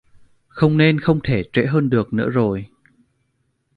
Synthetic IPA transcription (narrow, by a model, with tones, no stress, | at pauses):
xə˧wŋ͡mne˧nxə˧wŋ͡mt̪ʰe˧˩t͡ɕwḛ˧˥ɦəː˧nɗɨ˨˩ək̚nɨ̰˧˥əzo˨˩j